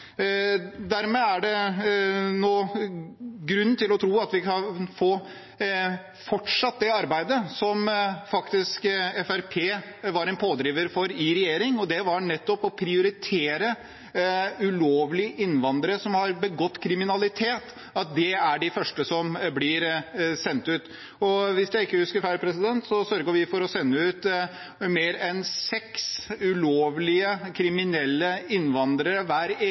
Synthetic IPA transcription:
d̪æɾmeːæɖɛ | noː | ɡɾʉnːnt̪ɪlɔt̪ʰɾuːɑt̪ʋɪkʰɑnfoː | fɔʈʂɑt̪̚d̪ɛɑɾbæɪd̪əsɔmfɑkt̪ɪskɛfæɾpʰeː | ʋɑɾɛnpʰoːd̪ɾiːʋəɾfɔɾiːɾɛjeːɾɪŋɔd̪ɛʋɑɾnɛt̪ːɔpɔpʰɾɪʊɾɪt̪ʰeːɾə | ʉloːʋlɪʔɪnːʋɑnd̪əɾəsɔmhɑɾbəɡɔt̪ːkʰɾɪmɪnɑlɪt̪ʰeːt̪ | ɑt̪̚d̪ɛæɖɪfœʂʈəsɔmblɪɾsɛnt̪ʉːt̪ | ɔʋɪsd̪ɛɪkːəhʉskəɾfæɾpʰɾɛsɪd̪ɛnt̪sɔsœɾɡəʋɪfɔɾɔsɛnːəʉːt̪ | meːɾɛnsɛksʉloːʋlɪəkʰɾɪmɪnɛlːəɪnːʋɑnd̪ɾəɾəʋæːɾ

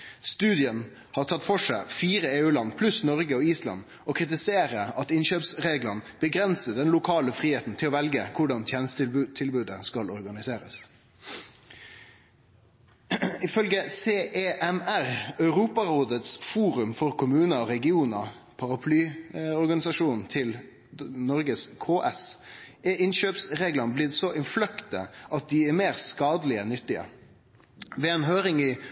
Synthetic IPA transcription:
st̪ʉːd̪ɪən | hɑːɾt̪ʰɑt̪ːfɔʂæɪfiːɾəeːʉːlɑnːpʰlʉsnɔʁɡəɔiːslɑ̰n | ɔkʰʁɪt̪ɪseːɾəɾɑt̪ɪnɕøːpsʁeːɡlənb̥əɡʁɛnsəd̪ɛnlʊkʰɑːləfʁiːheːt̪n̩t̪ʰɪlɔːʋɛlɡəkʰʊɖɑnt̪ʰjeːnəst̪ʉt̪ʰɪlbʉːd̪əskɑlɔɾɡɑnɪseːɾə̰s | ɪfœlɡəseːʔeʔɛmæɾœʉɾuːpɑɾoːd̪ət̪sfuːɾʉmfɔɾkʰʊmʉːnəɔɾɛɡɪuːnɑ | pʰɑɾɑpʰlyːɔɾɡɑnɪsɑʃuːnn̩t̪ʰɪl | nɔɾɡəskʰoːʔɛs | ɛɪnʃøːpsɾeːɡlɑnblɪd̪sɔʔɪnflœkt̪ə̰ʔɑt̪̚d̪ɪɛɾmeːɾskɑːd̪əlɪənʏt̪ːɪə̰ | ʋɛɛːnɦøːɾɪŋɪ

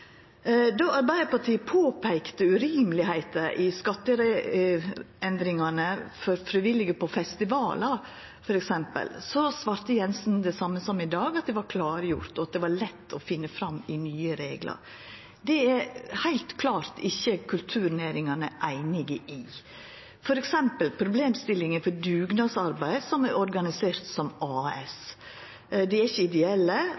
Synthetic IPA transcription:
d̪ɔɑɾbæɪəɾpɑʈʰiːpʰoːpʰæɪkt̪əʉɾiːmlɪhæɪt̪əʔɪskɑt̪ːəɾɛ | ɛnd̪ɾɪŋɑnəfɔɾfɾɪʋɪlːɪɡəpʰɔfɛst̪ɪʋɑːlɑ | fɔɾɛksɛmpə̰lsɔsʋɑːɾt̪əjɛnsnd̪ɛsɑmːəsɔmːɪd̪ɑːɡɑt̪̚d̪ɛʋɑɾkʰlɑːɾjʊ̰ɾt̪ɔɑt̪̚d̪ɛʋɑɭɛt̪ːɔfɪnːəfɾɑmːɪnyːəɾeːɡlɑ̰ɾ | d̪ɛæɾhæɪlt̪kʰlɑːɾt̪ɪçːəkʰʉlt̪ʰʉːɾneːɾɪŋɑnəʔæɪnɪɡəʔɪ | fɔɾɛksɛmpəlpʰɾʊbleːmst̪ɪlːɪŋənfɔɾd̪ʉːɡnɑsɑɾbæɪsɔmæɾʔɔɾɡɑnɪseːɾt̪sɔmɑːɛ̰s | d̪ɛæɾɪçːəɪd̪ɛɛlːə

